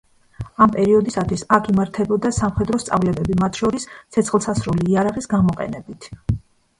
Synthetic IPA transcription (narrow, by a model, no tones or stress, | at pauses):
ampʼɛɾiɔd̪isat̪ʰwisakʰimaɾt̪ʰɛbɔd̪asamχɛd̪ɾɔst̪sʼa̰vlɛbɛbimat̪ʰʃɔɾist̪sʰɛt̪sʰχlˠsasɾuliːaɾaʁisɡamɔqʼɛ̰nɛbit̪ʰ